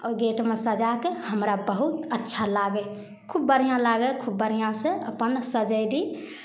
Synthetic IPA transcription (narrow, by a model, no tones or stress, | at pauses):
ɔɾɡeʈmesəd͡ʒakehəmɾabəɦut̪ətːʃʰalaɡɛ | kʰubːəɾ̤ijãlaɡɛkʰubːəɾ̤ijãseə̰pənsəd͡ʒəɪd̪i